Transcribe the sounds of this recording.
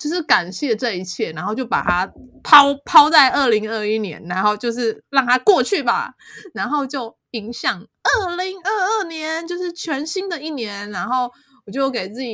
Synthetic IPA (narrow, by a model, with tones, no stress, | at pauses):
t͡ɕjo˥˧ʊʂ̬ɻ̩˥˩ka˨˩nɕjɛ˥˧ʈ͡ʂɤ˥˧i˧˥t͡ɕʰjɛ˥˩na˧˥nxo˥˧ʊt͡ɕjo˥˩ʊpa̰˨˩t̪ʰa˥pʰɑ˥˦ʊpʰɑ˥ʊt͡sa˥˧ɪʔə˥˩li˧˥ŋə˥˧i˥njɛ̰˧˦nɻa˧˥nxo˥˧ʊt͡ɕjo˥˧ʊʂɻ̩˥˧lɑ˥˩ŋt̪ʰa˥kwɔ˥˧t͡ɕʰy˥˩ba̰˨˩na˧˥nxo˥˧ʊt͡ɕjo˥˩ʊ | i˧˥ŋɕjɑ˨˩ŋə˥˩li˧˥ŋə˥˧ə˥˩njɛ˧˦nt͡ɕjo˥˧ʊʂɻ̩˥˩t͡ɕʰɥɛ˧˥nɕi˥ŋd̪ə˨i˥˩njɛ˧˦nɻa˧˥nxo˥˩ʊ | wɔ˨˩t͡ɕjo˥˩ʊke˨˩ɪt͡sɹ̩˥˩t͡ɕi˨˩